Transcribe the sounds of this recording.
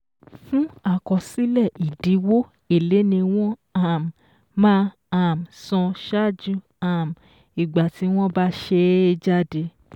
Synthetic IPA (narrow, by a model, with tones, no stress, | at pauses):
fũ˦a˦˨kɔ˨si˨˦lɛ˦˨i˨di˨˦wo˦ | e˦˨le˨˦nĩ˧w̃ɔ̃˦a˨m˨ | mãː˦ | a˨m˨sɔ̃˧ʃa˦˨d͡ʒũ˦ | a˨m̩˨ | i˨ɡ͡ba˨ti˨˦w̃ɔ̃˦ba˦ʃe˧˦d͡ʒa˦de˧